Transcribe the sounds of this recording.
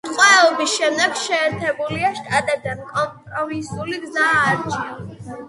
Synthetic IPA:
t̪qʼwaɛɔbisʃɛmd̪ɛɡ̥ʃɛːɾt̪ʰɛbuliaʃt̪ʼat̪ʼɛbd̪ankʼɔmpʼɾɔvisuliɡzaːɾt͡ʃʰi

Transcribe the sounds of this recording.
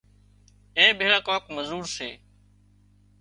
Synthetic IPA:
ẽːbeːɭaːkaːkməzuːɾsḛː

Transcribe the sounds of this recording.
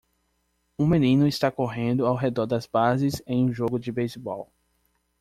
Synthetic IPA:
ũmẽnĩnʊist̪akoɦẽnd̪ʊawɦed̪ɔɾd̪ɐzbazɪzẽj̃ũʒoɡʊd͡ʒɪbejsbɔw

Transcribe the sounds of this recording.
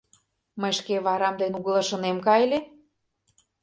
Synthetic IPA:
məjʃkeβɑɾɑmd̪enuɣɤlˠɤ̆ʃə̆nemkɑjlʲe

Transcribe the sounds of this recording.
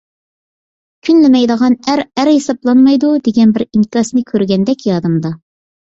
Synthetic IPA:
kʲʰynlɪmɛjd̪əʁɑnæɾæɾhesɑblˠɑnmɑjd̪ud̪eɡʲɛnbɪɾiŋkʲɑsnɨkʲʰøɾɡʲɛnd̪ɛkʲjɑd̪ɨmd̪ɑ

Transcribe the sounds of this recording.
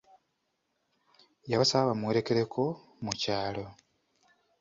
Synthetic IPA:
jaβsaβamweɾe̞ke̞ɾe̞kʰo̞ | mucaːlo̞

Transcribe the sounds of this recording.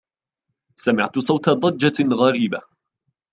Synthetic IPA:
samɪʕt̪ʊsˤɑwt̪ɑd̪ˤɑd͡ʒːaɣaɾiːba

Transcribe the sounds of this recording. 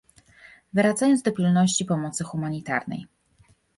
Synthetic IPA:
vɘɾad̪zajɔnzd̪ɔpʲilnɔɕt͡ɕipɔmɔt̪sɘxumaɲit̪a̰ɾnɛ̰j

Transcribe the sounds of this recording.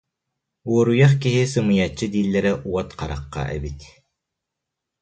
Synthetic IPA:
uɔɾujaχkiɦisɯmɯjat͡ɕːɯd̪iːlːɛɾɛʔuɔt̪qaɾa̰qːa̰ʔɛ̰bit̪

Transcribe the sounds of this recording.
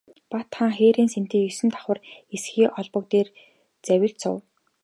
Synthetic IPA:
pat̪χaŋχeːɾiːnsen̥t̪iːjɵsɘ̆nt̪ʰḁχwə̆resxiːʔɔɮpɞ̆k̚t̪eːr | t͡sæwʲɪ̆ɮt͡sʊ̰w

